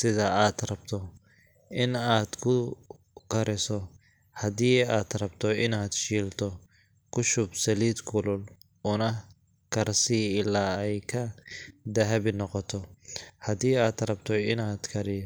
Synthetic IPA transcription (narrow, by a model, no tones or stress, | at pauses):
sɪðaaːd̪ɾɐb̥̚t̪ʰɔ | ʔɪnaːd̪kʰʊ | kʰɐɾɪsɔ | hɐd̪iːaːd̪ɾɐbt̪ʰɔɪnaːd̪ʃiːlt̪ʰɔ | kʰʊʃʊbsɐliːd̪kʰʊlʊl | ʊnɐ | kʰɐɾsiɪlaːɛjkʰɐd̪ɐɦɛbɪnɔqɔt̪ʰɔhɐd̪iːaːd̪ɾɐbt̪ʰɔɪnaːd̪kʰɐɾɪjɔ